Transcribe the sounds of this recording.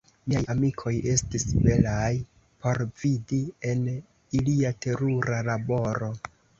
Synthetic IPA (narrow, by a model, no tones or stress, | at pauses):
mijajamikʰo̞je̞stisbe̞laj | po̞ɾvidie̞n | iliate̞ɾuɾalabo̞ɾo̞